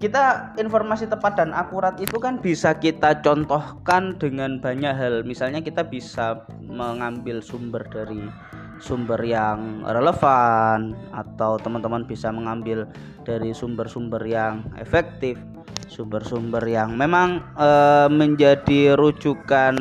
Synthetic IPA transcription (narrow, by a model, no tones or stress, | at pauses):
kit̪ainfɔrmasit̪əpat̪̚d̥anʔakuɾat̪it̪ukanb̥isakit̪at͡ʃɔnt̪ɔhkandəŋanb̥a̤ɲaʔɦalmisalɲakit̪ab̥isa | məŋambɪlsumbərd̥aɾi | sumbərjaŋreləfana̰t̪awt̪əmant̪əmanb̥isaməŋambɪl | d̥aɾisumbərsumbərjaŋḛfɛk̚t̪ɪf | sumbərsumbərjaŋmemaŋəməɲd͡ʒadiɾud͡ʒukan